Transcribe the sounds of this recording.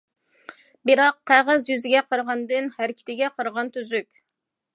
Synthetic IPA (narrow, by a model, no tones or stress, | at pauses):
bɪɾɑqʰːæʁɨzjyzɪɡʲɛqʰəɾʁɑnd̪ɨnhæɾɪkʲʰɪ̥t̪ɪɡʲɛqʰəɾʁɑnt̪ʰyzykʲ